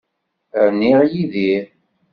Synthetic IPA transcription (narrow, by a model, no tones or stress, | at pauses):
ɾnːiʁjiði